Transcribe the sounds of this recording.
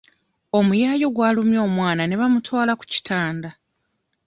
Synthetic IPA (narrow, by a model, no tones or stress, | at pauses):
o̞mujaːjo̞ɡwaːlumjo̞ːmwaːnane̞βamutwaːlaku̥ci̥tʰaːnda